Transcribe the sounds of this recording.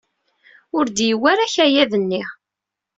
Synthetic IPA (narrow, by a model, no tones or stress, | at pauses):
ʊɾd̪jiwæɾaçæjæðənːiʁ